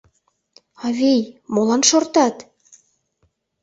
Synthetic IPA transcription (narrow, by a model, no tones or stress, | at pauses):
ɑβejmolɑnʃort̪ɑt̪